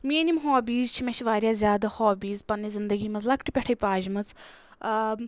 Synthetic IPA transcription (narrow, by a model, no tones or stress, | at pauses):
mʲiːnʲimɦoːbiːzt͡ʃʰimʲeʃʰiʋaːɾʲjaːzʲjaːd̪ɐhoːbiːzpɐnːizind̪ɐɡiːmɐzlɐkʰʈʰipʲɛʈʰɐjpaːd͡ʒmɐt͡s